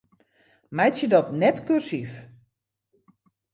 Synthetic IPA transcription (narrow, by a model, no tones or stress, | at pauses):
mɛjtjədɔtnɛtkøsif